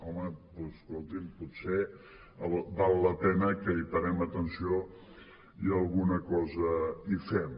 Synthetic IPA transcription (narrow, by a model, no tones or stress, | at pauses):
ɔməposkolˠt̪imputse | əlbalˠːəpɛnəkəipəɾɛmət̪ənsio | iəlˠɣunəkɔzəifɛm